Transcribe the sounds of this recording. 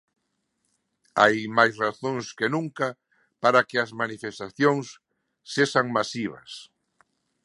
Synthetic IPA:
ajmajsraθõŋskenũŋka | paɾakeazmanifest̪aθjõŋsː | eʃaŋmasiβɐ̰s

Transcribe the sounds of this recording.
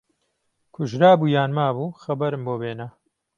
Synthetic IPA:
kʰʊʒɾaːbuːjaːnmaːbuːxɐbɐɾɨmboːbeːnɐ

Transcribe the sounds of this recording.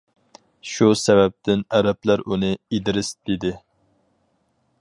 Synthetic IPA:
ʃusɛvɛp̚t̪ʰɪnæɾɛplæɾʔunɨid̪ɪɾɪsd̪id̪ɪ

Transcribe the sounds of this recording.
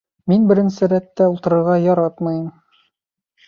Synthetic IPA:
minbɘ̆ɾɘ̆nsɘɾæt̪ːæulˠt̪ɤ̆ɾɤ̆ɾʁɑjɒɾɑt̪mɑjɤm

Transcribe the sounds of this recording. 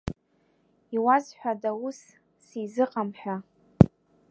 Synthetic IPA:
iwazħʷᶣadaus | sizɨqʼamħʷᶣa

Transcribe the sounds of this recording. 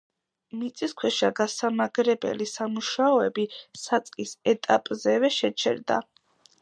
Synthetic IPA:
mit̪sʼiskʰwɛʃaɡasamaɡɾɛbɛ̰lisamuʃaɔɛbisat̪sʼqʼisɛt̪ʼapʼzɛvɛʃɛt͡ʃʰɛ̰ɾd̪a̰

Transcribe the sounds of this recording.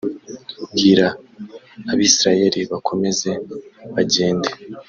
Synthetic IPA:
ɡiɾaː | βiːsiɾaje̞ɾiβakʰo̞me̞ze̞βaɟe̞ːnde

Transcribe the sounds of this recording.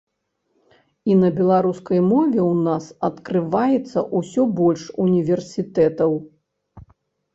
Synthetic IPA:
inɐbʲɛlˠaɾuskɐjmɔvʲɛwnasɐt̪kɾɨvajɛt̪sːɐʔusʲɔbɔlʲʂunʲivʲɛrsʲit̪ɛt̪ɐw

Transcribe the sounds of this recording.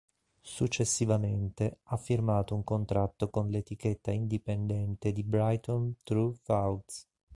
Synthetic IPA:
sut͡ʃːesːivament̪eafːirmaːt̪ouŋkont̪ɾat̪ːokonlet̪iket̪ːaind̪ipend̪ɛnt̪ed̪ibɾajt̪ɔnt̪ɾufawt̪s

